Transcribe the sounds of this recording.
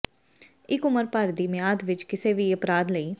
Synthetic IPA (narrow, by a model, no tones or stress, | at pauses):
ɪkʊməɾpəɾd̪iːmɪjaːd̪ʋɪt͡ʃkɪseːʋiːəpɾaːd̪ləiː